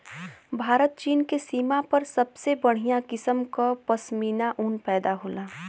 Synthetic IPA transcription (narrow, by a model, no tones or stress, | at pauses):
bʱaːɾət̪̚t͡ʃiːnkesiːmapɐɾsɐbsebəɽ̤ijakɪsəmkapəsmiːnaʔunpɛːd̪aɦoːlaː